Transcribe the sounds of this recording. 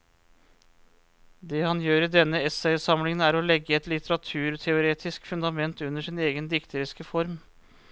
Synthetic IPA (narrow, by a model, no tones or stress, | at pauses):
d̪ɛːhɑnjøːɾid̪ɛnːəɛsɛɪsɑmlɪŋənæːɾolɛɡːəɛt̪lɪt̪ʰəɾɑt̪ʰʉːɾt̪ʰɛʊɾeːt̪ʰɪskfʉnd̪ɑmɛnt̪ʉnəʂɪneːɡənd̪ɪkt̪ʰəɾɪskəfɔɾm